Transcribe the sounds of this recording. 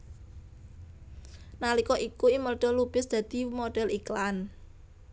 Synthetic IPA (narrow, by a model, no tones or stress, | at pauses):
nalikɔʔikuimərɖ̪̥ɔ̤lub̥ɪsd̪̥ä̤d̪̥i̤moɖ̥ɛ̤liklan